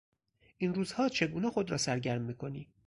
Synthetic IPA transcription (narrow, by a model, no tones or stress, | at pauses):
ʔinɾuːz̥hɒːt͡ʃʰe̞ɡuːnexod̪ɾɒ̰ːsæɾɟæɾmːiːkʰo̞niː